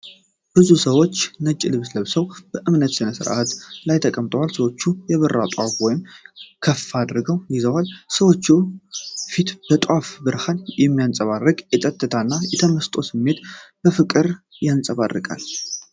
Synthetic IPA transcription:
b̥ɨzusəwo̞t͡ʃːnət͡ʃʼːilɨβsləβsəwb̥əʔɨmnət̪sɨnəsɨ̰ɾʔat̪lajt̪ʰəkʼəmt̪ʼəwalsəwo̞t͡ʃːujɛβərːa̰t̪ʼafwɔjɪmkʰəfːad̪ɾɨɡəwjizəwalsəwo̞t͡ʃːu | fit̪b̥ət̪ʼwafbɨɾhanjɛmːijansʼəβarːɨkʼjɛt̪ʼət̪ʼːɨt̪ʰanːajɛt̪ʰəməst̪ʼo̞sɨmːe̞t̪b̥əfɨkʼɨɾjansʼəβa̰rːɨ̰kʼa̰l

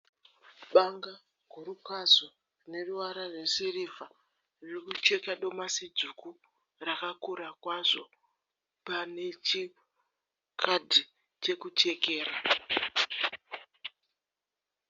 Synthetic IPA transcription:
ɓaŋɡa | ɡʱuɾukazo | rine̞ruʋaɾaresirivʱa | rririkut͡ʃe̞kaɗo̞masid͡zuku | rakakuɾakwaʐo̞ | pane̞t͡ʃi | kʰadʱi | t͡ʃe̞kut͡ʃe̞ke̞ːra

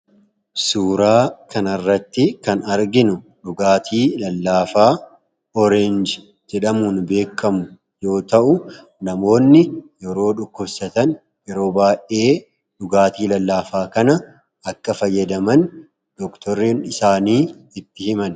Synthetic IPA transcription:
suːɾaːkʰɐnɐrːɐt̪ːɪkɐnɐɾɡɪnʊ | ᶑʊɡaːt̪ʰiːlɐlːaːfaː | ɔɾɛnd͡ʒ | d͡ʒ̪ɛᶑɐmunbe̞ːkʰːɐmʊ | jo̞ːt̪ɐʔʊ | nɐmo̞ːnːɪjɛɾo̞ːᶑʊkːʊbsɐt̪ɐn | jɛɾo̞ːbaːʔe̞ː | ᶑʊɡaːt̪iːlɐlːaːfaːkɐnɐ | ɐkːɐfɐjːɐd̪ɐmɐn | d̪̥ɔkt̪ɔɾinɪsaːniːɪt̪ːɪhɪmɐn

